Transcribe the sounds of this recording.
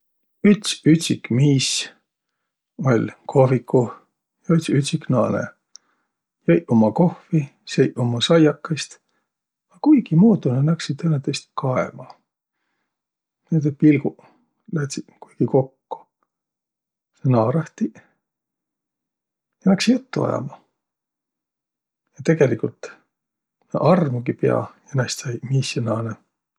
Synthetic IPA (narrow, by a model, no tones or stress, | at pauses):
yt̪syt̪ʲsʲikmiːs | o̞lʲkʰovikʰːu | jɑyt̪syt̪ʲsiknɑ̰ːnḛ | jɑjʔomɑko̞hfisejʔomɑsɑjɑkːɑst̪ | ɑkujɡ̥imoːd̪unenæksid̪enɑt̪est̪̚kɑḛmɑ | ned̪epilɡ̥u | læht̪si̥kujɡ̥iko̞kːu̥ | senɑːɾɑht̪i | jɑnæksiet̪ːuɑ̰jɑ̰mɑ | jɑt̪e̞ɡ̥e̞likult̪ | n̰ʔɑrmuɡ̥ipḛɑ̰jɑnæst̪sɑjmisːonɑːne